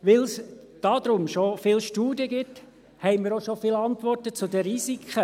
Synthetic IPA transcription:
ʋɪlsd̪̥ɑd̪ɾʊmʃofɪlʃtuːdiəɡɪt̪ | hɛɪməɾoʃofɪlɑnt̪ʋɔrtət͡sʊdəɾisikʰχə

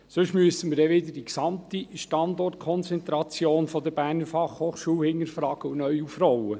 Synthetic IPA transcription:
søʃmyəsəməɾdɛʋɪd̪əd̥iksɑmt̪iʃtɑnd̪ɔrt̚kʰɔnt͡sɛnt̪ɾɑt͡sjoːnfɔd̪əɾb̥æːrnəfɑχhoːχʃuːlhɪŋːəɾfɾɑːɡ̥əunœjufrɔwə

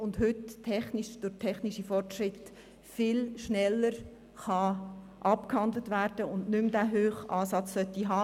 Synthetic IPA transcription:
ʊndɦʏtːʰɛχniʃd̥ʊtʰɛχniʃifɔrtʃɾɪt | fɪlʃnɛlːəɾ | χɑ | ʔɑpkhɑndlətʋæːɾd̥əʊndnʏmd̥æːɦøːχʔɑːsɑt͡ssœtːiɦɑː

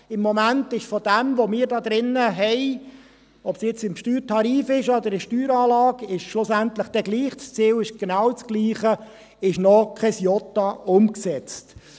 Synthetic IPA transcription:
ɪmːɔmæntɪʃfɔd̥ɛmʋomɪːɾdɑːd̪ɾɪnːəɦɛɪ | ɔpsjɛt͡sɪmʃtyːɾtʰɑɾiːfɪʃɔd̪əɾɪʃtyːɾɑːlɑːɡɪʃʃlʊsænt̪ləχd̥ɛɡliːχst͡siːwɪʃɡ̥enɑwt͡sɡ̥liːχə | ɪʃnɔkχɛsjɔtɑʊmksɛt͡st

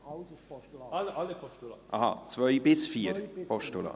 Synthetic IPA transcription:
lʔɑ̰hɑ̰t͡svœjbɪsfiːəɾpʰɔʃtolɑ̰

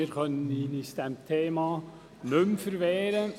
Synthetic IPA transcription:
ɪːɾkʰœnːənɪnɪst̪ɛmt̪ʰeːmɑ | nʉmfəɾʋeːɾə

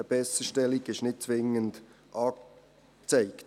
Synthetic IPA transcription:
əb̥ɛsəʃtɛlɪɡɪʃnɪt̚t͡svɪŋənd̥ | ʔɑː | t͡saɪkt

